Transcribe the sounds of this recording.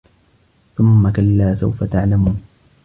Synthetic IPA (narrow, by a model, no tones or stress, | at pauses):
θʊmːakalːaːsa̰wfat̪aʕlamuːn